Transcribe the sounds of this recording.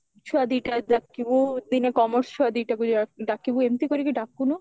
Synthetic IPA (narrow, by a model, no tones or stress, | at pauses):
t͡ʃʰuad̪iʈaɖakːibod̪inekɔmoɾst͡ɕʰuad̪iʈakuaɖakːiboemt̪ikoɾikiɖakːuno